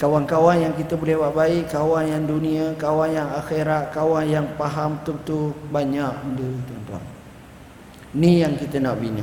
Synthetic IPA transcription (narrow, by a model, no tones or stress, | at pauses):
kawankawanjaŋkit̪əbolɛhwaʔ̚baiʔkːawanjaŋduniakawanjaŋaxeɾat̪̚kawanjaŋpaɦamt̪ut̪ubaɲaʔ̚udət̪uant̪ua̰n | nĩjaŋkit̪ənaʔbinã